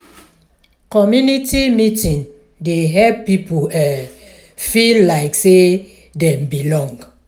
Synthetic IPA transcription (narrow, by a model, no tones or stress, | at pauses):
kɔmjunitimitĩn | deɦɛppipuɛ | fillaɪkse | dɛ̃mbilɔ̃ŋɡ